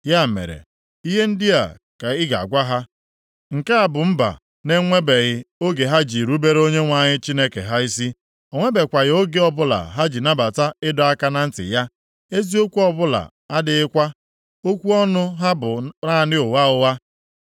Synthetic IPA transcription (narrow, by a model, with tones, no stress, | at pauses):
ja˦˨mḛ˨ɾḛ˨ | i˦ɦe˦n̩˦dɪ˦a̰˨ | ka˨ɪ˦ɡa̰˨ɡʷa˦ɦa˦ | ŋ̩˨ke˦a˨bʊ˨m̩˦ba̰˨ | ne˦ŋʷe˦be˨ɣɪ˦o˦ɡe˨ɦa˦d͡ʒi˨ɾu˦be˦ɾo˦ɲe˦ŋʷa˨ɲɪ˦t͡ʃi˦ne˦kḛ˨ɦa˦i˦si˦ | ɔ˨ŋʷe˦be˨kʷa˨ɣɪ˨˦o˦ɡe˦ɔ˦bʊ˦la̰˨ɦa˦d͡ʒi˨na˦ba˨ta˦ɪ˦dɔ˨˦a˦ka˦na˨n̩˦tɪ̰˨ja˦ | e˦zi˦o˦kʷu˦ɔ˦bʊ˦la̰˨ | a˦dɪ˨ɪ˦kʷa˦ | o˦kʷu˦ɔ˦nʊ˦ɦa˦bʊ˨a˦˨nɪ˦ʊ˨wa˦ʊ˦wa˦